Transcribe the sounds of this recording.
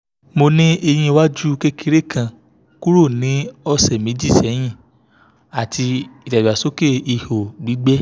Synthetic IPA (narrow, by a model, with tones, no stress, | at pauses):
mo˧nĩ˦e˧j̃ĩ˧wa˦d͡ʒu˦ke˦ki˧˦ɾe˦˨kʰã˨ | ku˦ɾo˦˨nĩ˨˦ɔ˧sɛ˨mĩ˨˦d͡ʒi˦˨sɛ˨˦j̃ĩ˦˨ | a˨tʰi˧i˨da˨a˨so˨˦ke˦˨i˨ho˨ɡ͡bi˨˦ɡ͡bɛ˦